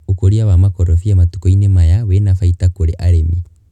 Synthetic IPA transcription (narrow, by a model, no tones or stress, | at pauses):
ukoɾiawamakɔɾɔfiamatu̥kɔinemajawɛnafaitakoɾeʔaɾɛmi